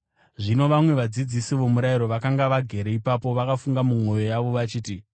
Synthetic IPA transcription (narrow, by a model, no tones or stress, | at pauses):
ʐino̞ʋamwe̞ʋad͡zid͡zisiʋo̞muɾajiɾo̞ʋakaŋɡaʋaɡʱe̞ɾe̞ipapo̞ʋakafuŋɡamumo̞jo̞jaʋo̞ʋat͡ʃiːti